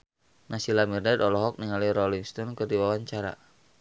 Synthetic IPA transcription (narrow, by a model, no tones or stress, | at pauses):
nasilamirdadɔlɔɦɔk̚niŋaliɾɔliŋst̪ɔnkərdiwawaɲt͡ʃaɾa̰